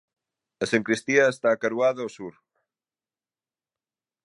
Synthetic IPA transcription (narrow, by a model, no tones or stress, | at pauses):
ɐseŋkɾist̪iɐest̪aːkaɾuaðɐosuɾ